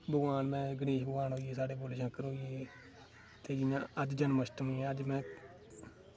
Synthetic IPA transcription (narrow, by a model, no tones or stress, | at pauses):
bəɡʋaːnmɛ̃ːɡəniːʃbəɡaːnɦoːieːsaːɽeːboːleʃə̃kːəɾɦoːieː | t̪eːɡinãːəd͡ʒd͡ʒənməsʈəmiɛːəd͡ʒmɛ̃ː